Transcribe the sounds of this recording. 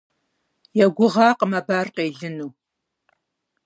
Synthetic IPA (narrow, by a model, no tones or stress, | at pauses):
jɛɡʷʊʁɑːqəmɐbaːrqeːɮɨnuː